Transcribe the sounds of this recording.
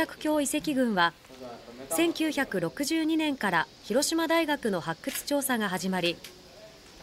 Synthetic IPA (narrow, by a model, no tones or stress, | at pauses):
akɯ̟̥kʲo̞ːise̞kʲiɡɯ̟̃ɰ̃βa | sẽ̞ŋkʲɨːçakɯ̟ɾo̞kɯ̟ʑɨːɲ̟inẽ̞ŋkaɾaçiɾo̞ɕimad̪aiɡakɯ̟no̞hakːɯ̟t͡sɨ̥t͡ɕo̞ːsaɡaɦaʑimaɾʲi